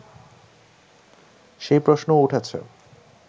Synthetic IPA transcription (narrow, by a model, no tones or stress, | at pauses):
ʃejpɾoʃnouʈʰat͡ɕʰḛ